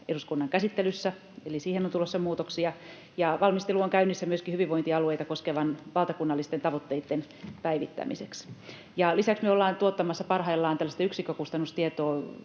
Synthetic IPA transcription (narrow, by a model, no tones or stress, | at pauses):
eɾuskunːɑŋkæsit̪ːelysːæ | elisiːhenont̪ulˑosːɑmuːt̪oksiɑ | jɑʋɑlmist̪eluoŋkæynːisːæmyøskihyʋiʋoiniɑluejt̪ɑkoskeʋɑnʋɑlt̪ɑkunːɑlːist̪ent̪ɑʋot̪ːeit̪ːen | pæiʋḭt̪ːæ̰miseks | jɑlisæksmyøolːɑːnt̪uot̪ːɑmɑsːɑpɑrhɑilːɑːnt̪ælːæst̪ɑyksikːˑøkust̪ɑnust̪iet̪oː